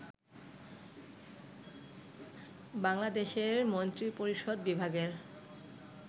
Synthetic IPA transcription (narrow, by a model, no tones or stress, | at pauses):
baŋlad̪eʃeɾmont̪ɾipoɾiʃod̪bibʱaɡeɾ